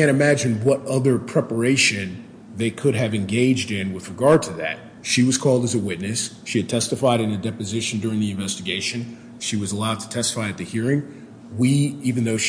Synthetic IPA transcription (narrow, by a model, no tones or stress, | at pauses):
æ̃ñɨmæd͡ʒɨ̃nwʌɾʌðə˞pʰɹ̥ɛpə˞eɪʃɨ̃n | ðeɪkʰɨɾɨvɨ̃nɡeɪd͡ʒdɪ̃nwɨðɹɨɡɑɹd̚tʰɨðɨ̰t̚ | ʃiwʌz̥kʰɔlˠdɨzɨwɪtⁿnɨs | ʃiɨd̚tʰɛstɨfaɪɾɨ̃nɨdɛpɨzɪʃɨn̩dʊɹɪ̃ŋðiɨ̃ɱvɛstɨɡeɪʃɨ̃n | ʃiwʌzəlaʊd̚tʰə̥tʰɛstə̥faɪɨt̪̚ðɨhiɹɪ̃ŋ | wiivɨ̃n̩ðoʊʃ